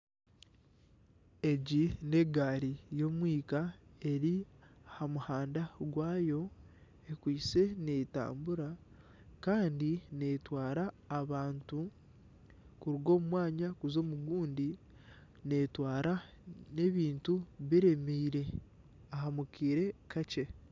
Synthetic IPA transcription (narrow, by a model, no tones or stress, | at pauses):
e̞ɟine̞ɡaːɾijo̞ːmwiːkae̞ɾiahamuhaːndaɡwaːjo̞ | ekwiːse̞ne̞ta̰ːmbuɾa | kaːndine̞twaːɾaː | βaːntu | kuɾuɡo̞ːmumwaːɲakuzo̞ːmuɡuːndi | ne̞twaːɾa | ne̞βiːntuβiɾe̞miːɾe̞ | ahamukiːɾe̞kace̞